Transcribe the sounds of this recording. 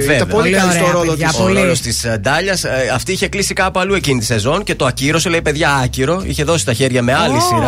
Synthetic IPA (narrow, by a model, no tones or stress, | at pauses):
vepoilkɐist̪oɾoloost̪isd̪ɐʎɐsɐft̪iiçe̞klisikɐːpoɐlue̞cinit̪i̥se̞zo̞nce̞t̪o̞ɐciɾo̞selɐipe̞ðʝɐɐciɾo̞ḭçe̞ðo̞si̥st̪ɐçe̞ɾʝɐme̞ɐlisiɾɐ